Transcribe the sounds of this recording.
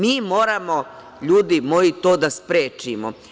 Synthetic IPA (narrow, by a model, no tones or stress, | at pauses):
miːmo̞ːɾamo̞ | ʎuːd̪imo̞it̪o̞ːd̪aspɾeːt͡ʃimo